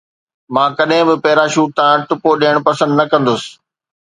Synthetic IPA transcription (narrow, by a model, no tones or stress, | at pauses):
mãːkɐɗɦɪ̃bɪpɛːɾaːʃuːʈ̚t̪ãʈʊpoɗiːəɽ̃pɐsə̃nd̪nɐkɐ̃nd̪ʊsɪ̥̆